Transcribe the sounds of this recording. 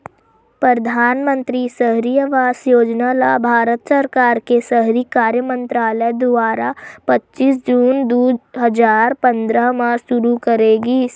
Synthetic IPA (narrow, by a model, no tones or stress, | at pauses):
pɾəd̪ʱaːnmə̃nt̪ɾisəɦɾijəʋaːsjoːd͡ʒnalabʱaːɾət̪səɾkaːɾkesəɦɾikaːɾjəmə̃nt̪ɾaːləjd̪ʊaːɾapɐtːʃiːs̬d͡ʒuːnd̪uɦəd͡ʒaːɾpɐ̃nd̪ɾəɦmãʃʊɾukəɾeːɡiː